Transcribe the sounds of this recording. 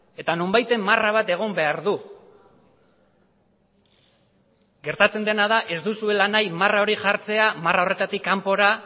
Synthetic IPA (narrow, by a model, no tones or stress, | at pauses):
e̞t̪ano̞mbajt̪e̞mːaraβ̞at̪e̞ɣ̞o̞mbe̞aɾðu | ɡe̞ɾt̪at͡se̞nd̪e̞nað̞aʔe̞zd̪usue̞lanajmarao̞ɾiʝaɾt͡se̞amarao̞re̞t̪at̪ikːampo̞ɾa